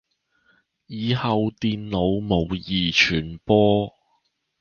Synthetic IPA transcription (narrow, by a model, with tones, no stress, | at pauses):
jiː˨˧hɐ˨wt̪iː˨nlo˨˧wmo˨˧wjiː˨t͡ʃʰyː˨˩npɔː˥